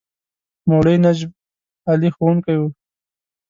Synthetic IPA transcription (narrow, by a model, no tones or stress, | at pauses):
moɽəjnad͡ʒb̚ | alixonkaju